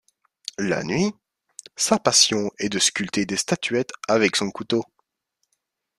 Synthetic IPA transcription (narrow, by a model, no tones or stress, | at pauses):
la̰nɥi | sapasjɔ̃ɛd̪əskʲylt̪ed̪est̪at̪ʰyɛt̪avɛksɔ̃kut̪o